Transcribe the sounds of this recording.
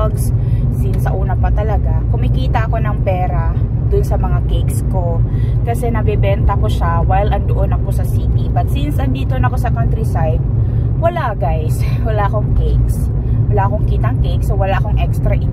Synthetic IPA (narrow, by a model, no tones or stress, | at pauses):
ɡssinsɐʔuːnɐpɐt̪ɐlɐɡakʊŋmɐjkiːt̪ɐʔɐko̞nɐŋpɛːɾɐ | d̪ʊnsɐmɐŋakejksko̞kɐsɛnɐbɛbɛnt̪ɐko̞ʃawajlʔɐnd̪oʔo̞nɐko̞sɐsiːt̪ipɐt̪̚sinsʔɐnd̪iːt̪onɐko̞sɐkant̪ɾisajt̪̚ | wɐlaʔɡajswɐlaʔɐko̞ŋkejks | wɐlaʔɐko̞ŋkiːt̪ɐŋkejksowɐlaʔɐko̞ŋʔɛkst̪ɾɐʔɪ